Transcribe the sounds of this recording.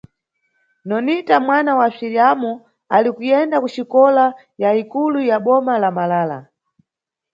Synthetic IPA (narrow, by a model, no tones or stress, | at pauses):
nɔnitamwanawasiɾiamu | alikujɛndakuʃikɔla | jaikulujaɓɔmalamalaːla̰